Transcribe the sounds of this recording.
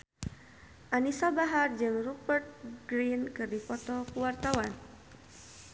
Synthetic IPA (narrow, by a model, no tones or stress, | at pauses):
ʔanisabaɦard͡ʒɨŋrupərt̪̚ɡ̥ɾinkɨrdipɔt̪ɔkuwart̪awan